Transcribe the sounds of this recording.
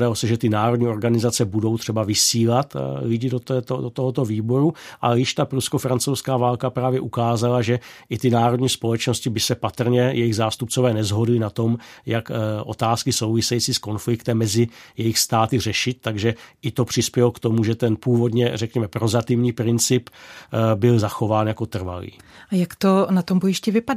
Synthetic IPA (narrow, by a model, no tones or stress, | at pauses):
dalosɛʒɛt̪ɪnaːɾodɲiːʔo̞ɾɡanɪzat͡sɛbudo̞wt̪r̝̥ɛbavɪsiːlat̪lɪɟɪdot̪ɛːt̪odot̪oɦot̪o̞viːbo̞ɾuʔa̰jɪʃt̪apɾuskofɾant͡sowskaːvaːlkapɾaːvjɛʔukaːzalaʒɛʔɪt̪ɪnaːɾodɲiːspo̞lɛt͡ʃno̞scɪbɪsɛpat̪r̩ɲɛjɛjɪɣzaːst̪up̚t͡sovɛːnɛzɦo̞dlɪnat̪o̞mjakʔo̞̰t̪aːskɪso̞wvɪsɛjit͡siːsko̞nflɪkt̪ɛmːɛzɪjɛjɪxst̪aːt̪ɪr̝ɛʃɪt̪̚ːaɡʒɛʔɪt̪o̞pr̝̥ɪspjɛlokt̪o̞muʒɛt̪ɛnpuːvo̞dɲɛrɛkɲɛmɛpɾo̞zat̪ɪvɲiːpɾɪnt͡sɪp | bɪlzaxo̞vaːnjako̞t̪r̩va̰lḭːajakt̪onat̪ombojɪʃcɪvɪpada